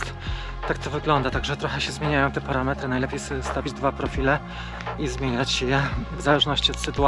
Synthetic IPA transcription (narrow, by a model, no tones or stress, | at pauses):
t̪ak̚t̪ɔvɘɡlɔnd̪at̪aɡʐɛt̪ɾɔxɛɕɛzmʲjeɲajɔ̃w̃t̪ɛpaɾamɛt̪ɾɘnajlɛpʲjejst̪avʲid͡ʑd̪vapɾɔfʲilɛ | izmʲjeɲat͡ɕɕjɛvzalɛʐnɔɕt͡ɕiɔt̪sɘt̪ua